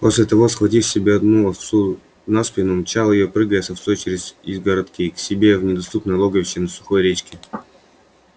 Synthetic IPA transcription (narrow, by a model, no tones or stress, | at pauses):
po̞sʲlʲɪt̪ɐvo̞sxvɐtʲifsʲɪbʲeɐd̪nufsu | naspʲɪnʊmt͡ɕalˠəjɪjopɾɨɡəjɛt̪səfsot͡ɕɪɾʲɪsʲizɡəɾɐt̪kʲiksʲɪbʲe̞vnʲɪd̪ɐst̪upnəjlˠoɡəvʲɕɪnɐsʊ̥xo̞jɾʲet͡ɕkʲɪ